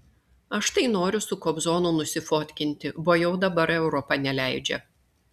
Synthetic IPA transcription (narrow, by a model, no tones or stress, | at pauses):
ɐʃt̪ɐɪnoːɾʲʊsʊkobzoːnuːnʊsʲɪfoːt̪ʲkʲɪnʲt̪ʲɪboːjɛʊd̪ɐbɐɾɛʊɾɔpɐnʲɛlʲæˑɪd͡ʒʲɛ̰